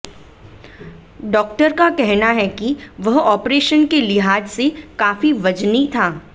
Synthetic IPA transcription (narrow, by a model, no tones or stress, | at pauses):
ɖɔːk̚ʈəɾkakɛɦnaɦɛkiʋɐɦɔːpɾeːʃənkelɪɦaːd͡ʒsekaːfiʋɐd͡ʒnit̪ʰaː